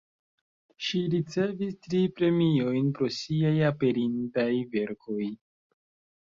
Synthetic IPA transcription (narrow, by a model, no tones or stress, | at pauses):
ʃiɾit͡se̞vistɾipɾe̞mio̞jnpɾo̞siajape̞ɾintajve̞ɾkʰo̞j